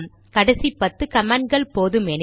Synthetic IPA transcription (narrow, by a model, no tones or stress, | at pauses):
m | kɐɽɐsipɐt̪ːɯkɐmaːɳɖ̚ɡɐɭpoːðɯmɛn